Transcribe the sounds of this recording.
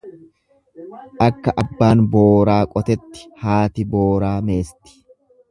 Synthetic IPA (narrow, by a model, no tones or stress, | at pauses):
ʔɐkːɐʔɐbːaːnboːɾaːkʼɔt̪ɛt̪ːɪ̥haːt̪ɪbo̞ːɾaːme̞ːst̪ɪ̥